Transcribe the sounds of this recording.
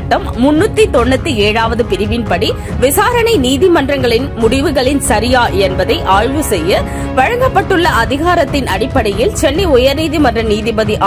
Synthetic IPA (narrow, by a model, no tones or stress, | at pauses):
ʈːɐmːʊnːɯt̪ːit̪ɔnːɐt̪ːɯeːɻaːʋɐðɯpɪɾɪʋɪnpɐɽi | ʋɪsaːɾɐnɐɪniːðimɐndrɐŋɡɐɭɪnmʊɽɪʋɯɣɐɭɪnsɐɾɪjaːʔɛnbɐðɐɪʔaːɻʋɯsɛjːɐ | ʋɐɻɐŋɡɐpːɐʈːɯɭːɐʔɐðɪɣaːɾɐt̪ːɪnɐɽɪpːɐɽɐjɪlt͡ʃɛnːɐɪʊjɐɾniːðimɐnrɐniːðɪbɐðiʔ